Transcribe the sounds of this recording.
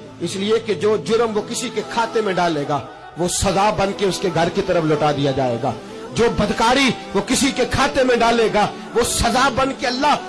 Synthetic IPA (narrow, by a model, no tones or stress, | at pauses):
ɪslieked͡ʒoːd͡ʒʊɾəmʋokɪsikekʰaːt̪emẽɖaːlːeːɡaː | ʋosɐzaːbɐ̃nkeʊskeɡʱɐɾkit̪ɐɾəfloːʈaːd̪ijad͡ʒaːḛːɡa̰ː | d͡ʒoːbɐd̪kaːɾiʋokɪsikekʰaːt̪emẽɖaːleːɡaː | ʋosɐzaːbɐ̃nkeɐlːaː